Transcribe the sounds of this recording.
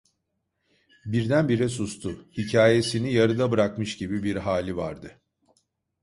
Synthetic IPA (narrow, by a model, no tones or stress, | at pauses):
biɾd̪ænbiɾɛs̬ust̪ʰʊhicʰaːje̞sinijaɾɯd̪abɯɾakmɯʃɟibibiɾɦaːlʲiva̰ɾd̪ɯ